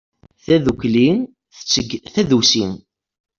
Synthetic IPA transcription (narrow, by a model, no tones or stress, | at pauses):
θæðukːlin | t͡sːθæðusin